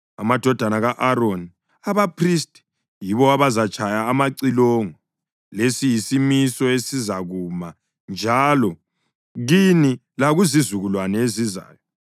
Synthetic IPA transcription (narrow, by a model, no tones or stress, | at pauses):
amad̥ʱɔd̥ʱanaɣaʔaɾoni | aβapʰristʼi̥ | jiβɔaβazat͡ʃʼʰajaːmaǀilɔŋɔ | lesijisimisɔesizaɣuːma | nd͡ʒʱaːlɔ | ɣini | laɣuzizuɣulwanɛeziza̰ːjɔ